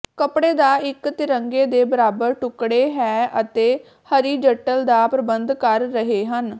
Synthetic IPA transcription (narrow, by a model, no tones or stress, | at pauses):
kəpɽeːd̪aːɪkt̪ɪɾəŋɡeːd̪eːbəɾaːbəɾʈʊkɽeːɦɛːʔət̪eː | həɾiːd͡ʒəʈəld̪aːpɾəbənd̪kəɾːəɦeːɦən